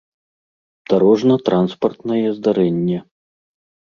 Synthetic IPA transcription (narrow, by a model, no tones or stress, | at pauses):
d̪̥aɾɔʐnɐt̪ɾʔanspɐrt̪nɐjɛzd̪aɾɛnʲːɛ